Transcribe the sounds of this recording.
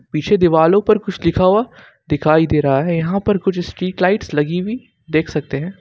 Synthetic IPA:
piːt͡ʃʰed̪ɪʋaːlõpɐɾkʊt͡ʃʰlɪkʰaua | d̪ɪkʰaːid̪eːɾɐɦaɦɛjɐɦãpɐɾkʊt͡ʃʰsʈɾiːʈlaːɪʈslɐɡiʋi | d̪eːkʰsɐk̚t̪eɦɛ̃ː

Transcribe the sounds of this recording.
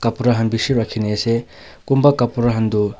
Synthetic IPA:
kɐpuɾɐɦɐnbisiɾakʰːineɐse | kumbɐkɐpuɾɐɦɐndu

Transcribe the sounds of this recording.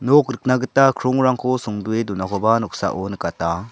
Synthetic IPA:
nokɾɯk̚naɡɯtakʰɾoŋɾaŋkʰosɔŋduedunakʰɔbanɔk̚sa̰ʔonɯkata

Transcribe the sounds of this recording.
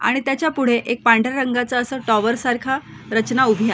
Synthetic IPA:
a̰ɽ̃it̪jat͡ɕjapuɽ̤eʔek̚paɳɖəɾɾəŋɡat͡saəsəʈɔʋəɾsaɾkʰa | ɾət͡ɕnaubʱja

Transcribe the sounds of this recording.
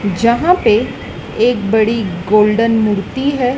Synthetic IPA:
d͡ʒɐɦãpe | eːk̚bɐɽiɡoːlɖənmuɾt̪iɦɛː

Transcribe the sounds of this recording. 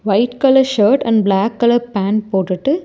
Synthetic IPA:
ʋɐɪʈkɐlɐɾʃɐːɾʈɐ̰̃ɳɖblaːkːɐlɐpaːnpoːʈːɯʈːɯ

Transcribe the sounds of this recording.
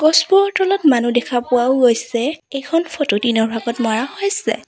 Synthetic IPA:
ɡɔsbɔɔtɔlɔtmanudɛkʰapʊaʊɡojsɛejkʰɔnfʰɔtʊtinɔɹbʱaɡɔtmɔɹahojsɛ̰

